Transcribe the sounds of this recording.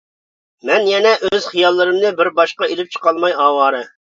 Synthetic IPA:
mɛnjɛnɛʔøz̥χijɑlˠːɨɾɨmnɨbɪɾbɑʃqɑelɪp̚t͡ʃʰə̥qɑlˠmɑjɑːwɑːɾɨ

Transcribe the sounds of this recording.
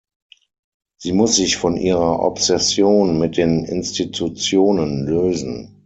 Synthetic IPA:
z̥iːmʊsz̥ɪçfɔnʔiːʁɐʔɔ̰psɛsjoːnmɪt̚d̥eːnɪ̰nstitʰut͡sjoːnənløːzn̩

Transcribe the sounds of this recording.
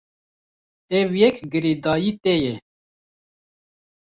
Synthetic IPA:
ɛvjɛkɡɨɾid̪ɑːjiːt̪ejɛ

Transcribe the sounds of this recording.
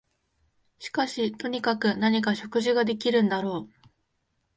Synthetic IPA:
ɕi̥kaɕit̪o̞ɲ̟ikakɯ̟naɲ̟ikaɕo̞kɯ̟ʑiɡad̪e̞kʲiɾɯ̟̃nd̪aɾo̞ː

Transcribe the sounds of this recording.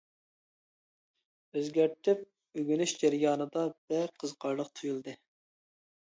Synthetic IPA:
øzɡʲæɾt̪ʰyp̚ | yɡʲynyʃd͡ʒæɾjɑːnɨd̪ɑb̥ɛqʰəzqʰɑɾlˠəqt̪ʰujulˠd̪ɨ

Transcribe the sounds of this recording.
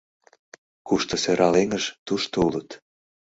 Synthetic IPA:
kuʃt̪oseɾʔɑleŋəʒt̪uʃt̪oulət̪

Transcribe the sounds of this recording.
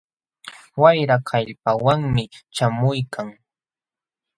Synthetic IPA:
wajɾakʰaʎpawaŋmɪt͡ʃamʊjkʰaŋ

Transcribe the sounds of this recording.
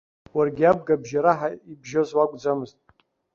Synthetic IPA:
warɡʲiab̚ɡabʒaɾaħaibʒozwaɡʷʼd͡zamɨztʼ

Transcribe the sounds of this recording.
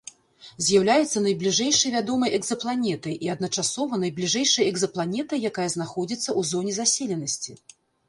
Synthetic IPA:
zʲjawlʲajɛt̪sːɐnɐjblʲiʐɛjʂɐjvʲad̪ɔmɐjʔɛɡzɐplˠanʲɛt̪ɐjʔiɐd̪̚nɐt͡ʂasɔvɐnɐjblʲiʐɛjʂɐjɛɡzɐplˠanʲɛt̪ɐjakajɐznaxɔd͡zʲit̪sːɐuzɔnʲizasʲelʲɛnɐsʲt͡sʲi

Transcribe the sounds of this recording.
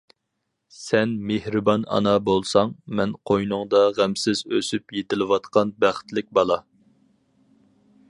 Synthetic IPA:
sɛnmehɾɨbɑnɑ̰nɑbolˠsɑŋmɛnqʰojnʊŋd̪ɑʁæmsɪzøsypjet̪ɪlɪwɑt̪qɑnbæχt̪lɪk̚ʲbɑlˠɑ

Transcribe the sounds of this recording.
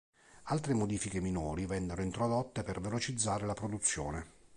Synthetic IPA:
alt̪ɾemod̪iːfikeminɔːɾivɛnːeɾoint̪ɾod̪ɔt̪ːepervelot͡ʃid̪zːaːɾelapɾod̪ut̪sːjɔːne

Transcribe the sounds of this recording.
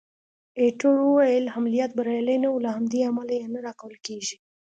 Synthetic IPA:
eʈoɾuwajəlhamlijɑt̪̚baɾajlajnaulaɦamd̪iamalajanaɾɑkawəlkeʒi

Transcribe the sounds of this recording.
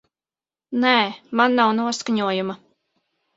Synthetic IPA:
nɛːmanːawnuɔskaɲuɔjuma

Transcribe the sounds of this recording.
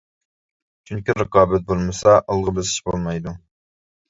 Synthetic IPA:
t͡ʃʰyŋkʲiɾəqɑːbɛt̪̚bolˠmɨsɑʔɑlˠʁəbɪsɪ̥ʃbolˠmɑjd̪u

